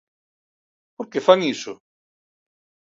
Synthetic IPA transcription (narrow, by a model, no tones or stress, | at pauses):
poɾkefaŋisʊ